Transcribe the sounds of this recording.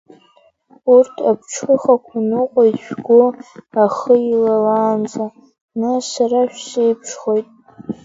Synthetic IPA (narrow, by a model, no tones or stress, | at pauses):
urtʰa̰pʰʈ͡ʂʰχəχakʷʰanɨqʷʼoiʃᶣɡʷoaχəilalaːnza | nasaɾaʃᶣsejpʰʂχojtʼ